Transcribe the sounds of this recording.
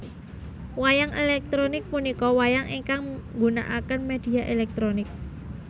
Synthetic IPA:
wajaŋelɛk̚t̪ɾonɪk̚punikɔwajaŋiŋkaŋŋɡuna̰ʔakənmed̪̥i̤aʔelɛk̚t̪ɾonɪk̚

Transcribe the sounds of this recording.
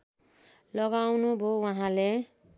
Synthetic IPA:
lʌɡawnubʱowaɦãle

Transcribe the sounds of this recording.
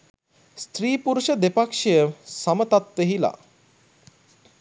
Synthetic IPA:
st̪riːpuɾuʃəd̪epakʂejəsamət̪at̪ʋeɦila̰

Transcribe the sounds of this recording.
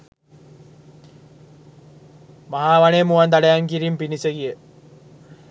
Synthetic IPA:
maɦaːʋaneːmuʋɐnd̪aɽejaŋkiɾimpiniseɡije

